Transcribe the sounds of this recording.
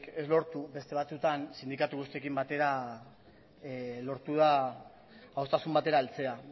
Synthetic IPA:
ke̞zlo̞ɾt̪ube̞st̪e̞β̞at͡sut̪ansind̪ikat̪uɣust̪iekimbat̪e̞ɾa | lo̞ɾt̪uð̞aː | ost̪asumbat̪e̞ɾaːlt͡se̞a

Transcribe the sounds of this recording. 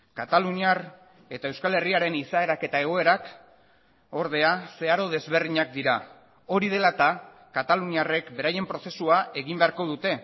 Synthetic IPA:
kat̪aluɲiar | e̞t̪ae̞wskale̞riaɾe̞nisae̞ɾake̞t̪aeɣ̞o̞e̞ɾak | o̞ɾðe̞ase̞aɾo̞ð̞e̞zβe̞rðiɲak̚d̪iɾa | o̞ɾið̞e̞lat̪a | kat̪aluɲiare̞kbe̞ɾaje̞mpɾo̞se̞suaʔe̞ɣimbeaɾko̞ð̞ut̪e̞

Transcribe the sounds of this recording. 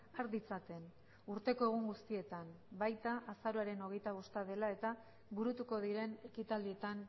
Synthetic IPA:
aɾd̪it͡sat̪e̞n | uɾt̪e̞ko̞e̞ɣ̞uŋɡust̪ie̞t̪am | bajt̪aʔasaɾoaɾe̞no̞ɣ̞e̞jt̪aβo̞st̪að̞e̞lae̞t̪a | βuɾut̪uko̞ð̞iɾe̞ne̞kit̪ald̪ie̞t̪an

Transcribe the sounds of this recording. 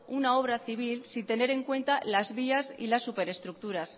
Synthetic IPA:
unao̞β̞ɾaθiβ̞ilsint̪e̞ne̞ɾe̞ŋkwe̞nt̪alazβiasḭlasːupe̞ɾe̞st̪ɾuk̚t̪uɾas

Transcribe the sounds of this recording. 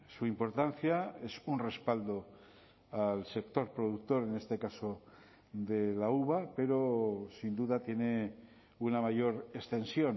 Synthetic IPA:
suimpo̞ɾt̪anθjaesunre̞spald̪o̞ | alse̞k̚t̪o̞ɾpɾoðuk̚t̪o̞ɾe̞ne̞st̪ekaso | d̪elauβape̞ɾo̞sind̪uðat̪je̞ne | unamaʝo̞ɾest̪e̞nsjo̞n

